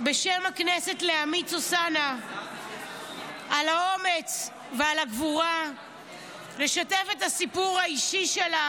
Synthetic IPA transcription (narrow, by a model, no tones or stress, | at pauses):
be̞ʃemhaknese̞tle̞amit͡sosana | ʔalao̞me̞t͡s | vealaɡvuʁa | le̞ʃatefethasipuʁhaiʃiʃela